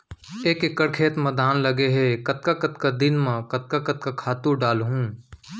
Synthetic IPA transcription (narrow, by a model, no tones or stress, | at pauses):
eːkɪkːəɾkʰeːt̪mɐd̪ʱaːnlɐɡeɦɛkɐt̪̚kakɐt̪kad̪ɪnmãkɐt̪̚kakɐt̪̚kakʰaːt̪ũɖaːlɦũː